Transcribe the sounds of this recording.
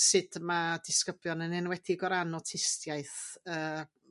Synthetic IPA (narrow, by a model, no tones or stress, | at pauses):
sɨd̥mad̥ɪskəbljɔnənɪnwɛdiɡɔɾanɔtʰɪstjaɨθəː